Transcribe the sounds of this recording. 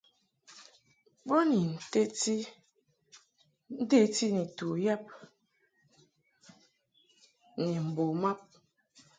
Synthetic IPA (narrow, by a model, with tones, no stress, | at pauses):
bo˦ni˨n̩˨te˦ti˦ | n̩˦de˦ti˦ni˨tu˨ja˦p̚ | ni˨m̩˨bo˨ma˦p̚